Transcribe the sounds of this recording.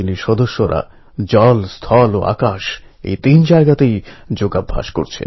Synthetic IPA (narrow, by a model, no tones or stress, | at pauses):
iniʃɔd̪oʃːoɾa̰ | d͡ʑɔlst̪ʰɔloʔa̰kaʃ | ḛjt̪ind͡ʑaeɡat̪ejd͡ʑoɡabʱːa̰ʃkoɾt͡ɕʰḛn